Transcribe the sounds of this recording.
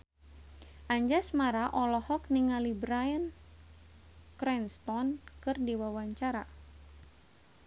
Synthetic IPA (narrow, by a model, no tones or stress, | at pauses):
ʔaɲd͡ʒasmaɾaʔɔlɔhɔkniŋalibɾajən | kɾɛnst̪ɔnkɨrdiwawaɲt͡ʃaɾa